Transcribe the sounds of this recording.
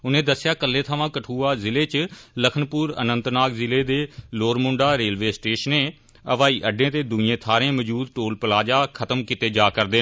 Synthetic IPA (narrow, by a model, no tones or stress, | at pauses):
ʊnẽːd̪əsːjaːkəlːẽːt̪ʰaːʋãːkəʈʰuːaːzɪleːt͡ʃləkʰnpuːɾə̰nənt̪naːkzɪleːd̪eːloːɾmʊ̃ɳɖaːɾeːlʋeːsʈeːʃənẽː | əʋaːiːʔəɖẽːt̪eːd̪ʊẽːt̪ʰaːɾẽːməd͡ʒuːd̪̚ʈoːlpəlaːd͡ʒaːkʰət̪əmkɪt̪eːd͡ʒaːkəɾd̪eː